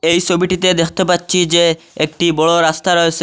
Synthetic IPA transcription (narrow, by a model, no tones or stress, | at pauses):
ejt͡ʃʰobiʈit̪ed̪ekʰt̪epatːɕʰid͡ʑe | ek̚ʈibɔɭoɾast̪aɾɔesʰe